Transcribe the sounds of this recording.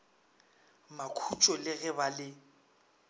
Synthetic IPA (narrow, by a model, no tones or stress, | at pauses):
makʰut͡ʃʼɔlɪɣɛbalɪ